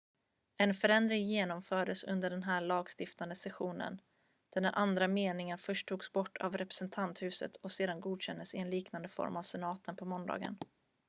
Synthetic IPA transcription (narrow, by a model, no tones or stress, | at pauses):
ɛnfœɾɛnd̪ɾɪŋjeːnɔmfœːɖəsɵ̰nd̪əɖɛnɦæːɭɑːɡst̪ɪft̪and̪əsɛɧuːnə̰n | d̪̥æɖɛnʔand̪ɾameːnɪŋənfœʂʈʰːuːɡsbɔʈːa̰vɾɛpɾɛ̥sɛnt̪ʰant̪hʉ̟ːsə̰t̪ʰɔseːd̪anɡuːd̪ɕɛnd̪əsɪɛnliːknand̪əfɔ̰ɾmavsɛnɑːt̪ʰənpʰɔmɔnd̪ɑ̰ːɡə̰n